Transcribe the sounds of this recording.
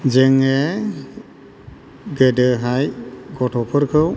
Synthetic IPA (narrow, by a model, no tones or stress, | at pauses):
d͡ʒeŋe | ɡedəɦajɡɔtʰɔpʰɯɾkʰɯw